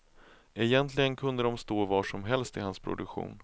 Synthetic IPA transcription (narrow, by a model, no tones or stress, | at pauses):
ɛjɛnt̪ʰlɪɡənkʰɵnd̪əd̪ɔmst̪oːvaːʂɔmɦɛlst̪ɪhanspʰɾʊ̰d̪ɵkɧṵːn